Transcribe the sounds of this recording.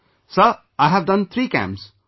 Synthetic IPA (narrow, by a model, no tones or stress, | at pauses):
sə | aɪɦæʋdʌ̃nt̪ʰɾiːkæ̰̃ms